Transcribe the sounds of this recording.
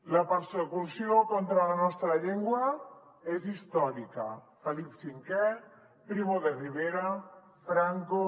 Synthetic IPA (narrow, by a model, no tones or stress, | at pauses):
lapeɾsekusjokont̪ɾalanɔst̪ɾaʎeŋɡwɐ | ezist̪ɔɾika̰felipsiŋkɛ | pɾiβoðeriβeɾa | fɾaŋko